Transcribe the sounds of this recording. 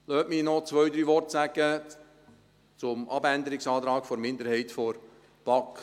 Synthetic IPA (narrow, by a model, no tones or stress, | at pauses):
løːtminɔt͡sʋœʏd̪ɾyːʋɔrtsæɡ̥ə | t͡sʊmɑbænd̪əɾɪksɑːt̪ɾɑːkfoɾmɪnd̪əɾhɛɪtfoɾ | b̥ɑk